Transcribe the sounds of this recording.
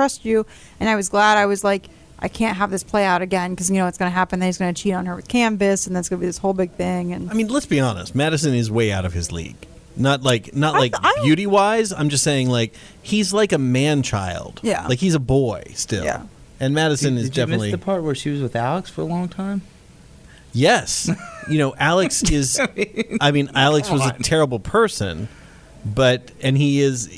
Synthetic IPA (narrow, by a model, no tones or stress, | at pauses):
tʰɹ̥ʌst͡ʃʉ | ɨ̃naɪwʌzɡlæɾaɪwʌzlaɪk | ʔaɪkʰæ̃nt̚ɦəvðɪspʰl̥eɪaʊɾɨɡɛ̃nkʌzjɨnoʊʌtsɡ̥ʌnɨɦæpɨ̃n̩ðɨ̃nhizɡʌnɨt͡ʃʰiɾn̩ə˞wɨð̥kʰæ̃ɱvɨsn̩ðætsɡ̥ʌnəbiðɪshoʊlˠbɪɡ̥̚θɪ̃ŋɨ̃naɪmĩnlətsb̥iɑnə̰st̚mæɾɨs̬ɨ̃nɨzweɪaʊɾʌv̥ɨzlḭɡ̥ | nət̚ˡlaɪknət̚ˡlaɪkɪbjʉɾiwaɪzãɪ̃md͡ʒʌstseɪɪ̃ŋlaɪk | hizlaɪkɨmæ̃nt͡ʃʰa̰ɪlˠd̥laɪkhizəbɔɪstɪ̰l̰ˠ | ɨ̃nmæɾɨsɨ̃nɨzdɛfnnətˡliɨpʰɑɹt̚wə˞ʃiwʌzwɨðælˠəksfə˞əlɔ̃ŋtʰãɪ̃m | jɛsjɨnoʊʔælˠɨksɪzaɪmĩnælˠəkswʌzɨtʰɛɹəbl̩ˠpʰɜ˞sɨ̰̃n | bʌɾ | ɨ̃niɪz